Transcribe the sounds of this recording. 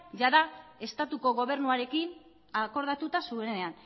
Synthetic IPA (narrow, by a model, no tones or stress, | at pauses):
ʝaðae̞st̪at̪uko̞ɣo̞β̞e̞ɾnuaɾe̞kin | ako̞ɾð̞at̪ut̪asue̞ne̞an